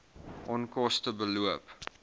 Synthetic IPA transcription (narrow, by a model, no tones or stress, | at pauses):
ʔɔnkɔstəbəluəp